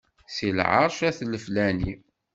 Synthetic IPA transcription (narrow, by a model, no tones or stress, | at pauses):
silʕɑ̰ɾˤʃæθləflæni